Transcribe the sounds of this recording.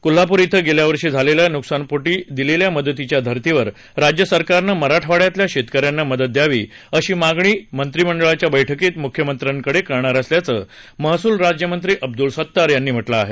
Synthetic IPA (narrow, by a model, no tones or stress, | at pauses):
kulapuɾit̪ʰəɡeljaʋəɾʂiːd͡zʱaleljanuksanpoʈiːd̪ileljaməd̪ət̪it͡ɕjad̪ʱəɾt̪iʋəɾ | ɾad͡ʑjəsəɾkaɾnəməɾaʈʰʋaɽjat̪ljaɕet̪kəɾjanːaməd̪ət̪̚d̪jaʋiː | əɕiːmaɡɳiːmənt̪ɾiməɳɖəɭat͡ɕjabəjʈʰəkiːt̪mukʰjəmənt̪ɾjaŋkəɽekəɾɳaɾasljat͡səː | məɦsuːlɾad͡ʑjəmənt̪ɾiːʔəb̚d̪ulsət̪ːaɾjanːiːm̤əʈlaːɦe